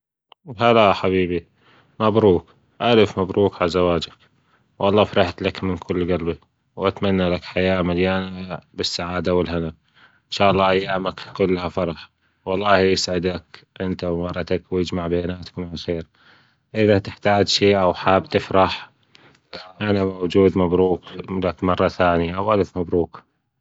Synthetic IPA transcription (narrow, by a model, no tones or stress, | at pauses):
ɦalaħabiːbi | mabɾuːk | ʔalfmabɾuːkʕalazawaːd͡ʒak | wʔɑlˤːɑːfɾˤɑħt̪lakmɪnkʰʊlːɣalbi | wʔat̪manːalakħajaːmaljaːnabɪsːaʕaːd̪awɪlɦɪna | ʔɪnʃaːʔɑlˤːɑːʔajːaːmakkʊlːhafɑɾˤɑħ | wɑlˤːɑːhjɪsʕɪd̪lak | ʔɪnt̪awmɑrˤːɑt̪akwjɪd͡ʒmaʕbeːnaːt̪kmaʕalxeːɾ | ʔɪðat̪ɪħt̪aːd͡ʒʃiːʔawħaːbt̪ɪfɾɑħ | ʔanamawd͡ʒuːd̪mabɾuːklakmɑrˤːɑθaːnijaʔawʔalaθmabɾuːk